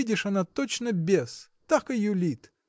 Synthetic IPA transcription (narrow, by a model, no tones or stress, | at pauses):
idʲɪʂɐnat̪ot͡ɕnəbʲest̪akɨjʊlʲit̪